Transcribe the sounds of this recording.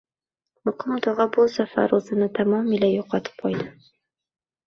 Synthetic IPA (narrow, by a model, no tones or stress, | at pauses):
mʊqʰʊmt̪ɒʁɑbʊsafa̰ɾɵzɪnɪt̪ʰamɒmɪlajoqɑt̪ʰɪ̥p̚qʰɒjd̪ɪ